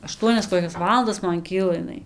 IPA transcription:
ɐˈʃtuɔnʲɛs koːˈkʲɛs ˈʋɑːlˠɐndɐs ˈmɐn ˈkʲiːlˠɐ ɪˈnɐɪ

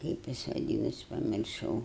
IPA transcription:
ˈkɐɪp jɪs ʋɐˈdʲiːnɐs pɐmʲɪrˈʃɐʊ

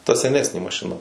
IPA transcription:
tɐ sʲɛˈnʲæːsʲnʲeː mɐʃʲɪˈnɐ

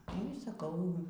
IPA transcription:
nʊ iː sɐˈkɐʊ

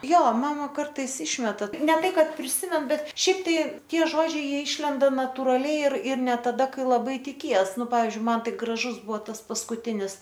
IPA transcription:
ˈjoː ˈmɑːmɐ ˈkɐrtɐɪs ˈɪʃʲmʲɛtɐ nʲɛ ˈtɐɪ ˈkɐt pʲrʲɪˈsʲɪmʲɛn ˈbʲɛt ˈʃʲɛɪp tɐɪ ˈtʲiɛ ˈʒoːd͡ʒʲɛɪ ˈjiɛ ˈɪʃʲlʲɛndɐ nɐtʊrɐˈlʲɛɪ ɪr ɪr nʲɛ tɐˈdɐ ˈkɐɪ lˠɐˈbɐɪ tʲɪˈkʲiɛs ˈnʊ ˈpɑːʋʲɪzʲd͡ʒʲʊɪ ˈmɐn ˈtɐɪ ɡrɐˈʒʊs ˈbʊʋoː ˈtɐs pɐskʊˈtʲɪnʲɪs

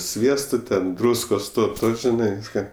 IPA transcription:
ˈsʲʋʲiɛstoː tʲɛn ˈdruːskoːs ˈtoː ˈtoː ʒʲɪˈnɐɪ ˈʋʲiːskɐ

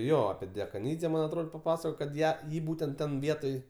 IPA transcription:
ˈjoː ɐpʲɪ dʲɛkɐˈnʲiːd͡zʲɛ ˈmɐnʲ ɐtˈroːt pɐˈpɑːsɐkoːjoː kɐt ˈjæː ˈjiː ˈbuːtʲɛnt ˈtʲɛn ˈʋʲiɛtoːj

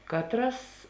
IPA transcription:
ˈkɑːtˌrɐs

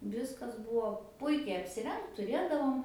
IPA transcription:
ˈʋʲɪskɐs ˈbʊʋoː ˈpʊɪkʲɛɪ ɐpʲsʲɪˈrʲɛŋkt tʊˈrʲeːdɐʋoːm

